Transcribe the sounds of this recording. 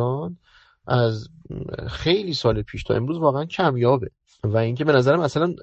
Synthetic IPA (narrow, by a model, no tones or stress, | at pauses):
ɒːn | ʔæz | xe̞jliːsɒːlepʰiːʃt̪ʰɒ̰ʔe̞mɾuːzvɒːɣeæncʰæmjɒːbe̞ | væiŋcʰe̞be̞næzæɾæmæsælæn